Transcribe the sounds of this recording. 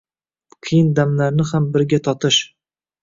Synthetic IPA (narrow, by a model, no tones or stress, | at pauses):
qʰɨjɪnd̪amlaɾnɪhambɪɾɡʲat̪ʰɒt̪ʰɪʃ